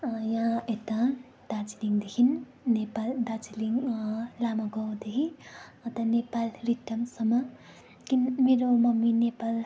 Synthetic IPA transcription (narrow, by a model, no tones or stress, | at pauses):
jaet̪a | d̪̥at͡siliŋd̪ekʰinː | epald̪at͡siliŋlamãɡʌwd̪ekʰĩʌt̪ʌnepalriʈʌmsʌmʌ | kinmeɾomʌminepal